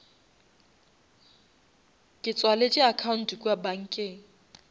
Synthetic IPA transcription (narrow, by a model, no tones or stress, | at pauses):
kʼɪt͡sʼwalet͡ʃʼɪakʰaʊn̩tkʼwabaŋ̩ːkʼɪŋ̩